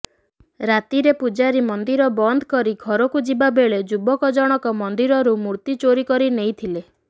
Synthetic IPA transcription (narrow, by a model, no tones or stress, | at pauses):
ɾat̪iɾepud͡ʒaɾimɔnd̪iɾɔbɔnd̪ʱɔkɔɾiɡʱɔɾɔkud͡ʒibabeɭed͡ʒubɔkɔd͡ʒɔɽ̃ɔkɔmɔnd̪iɾɔɾumuɾt̪it͡ʃoɾikɔɾinejt̪ʰile